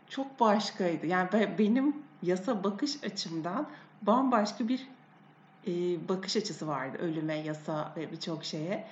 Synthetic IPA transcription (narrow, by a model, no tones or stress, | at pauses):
t͡ʃʰo̞k̚baʃkʰajd̪ɯjaːnibɛbe̞nimjasabakʰɯʃat͡ʃʰɯmd̪anbanbaʃkabiɾ | ɛːbakɯʃat͡ʃʰɯsɯva̰ɾd̪ɯ̰ʔø̞lʲymɛjasavɛbit͡ʃʰo̞kʃe̞jɛ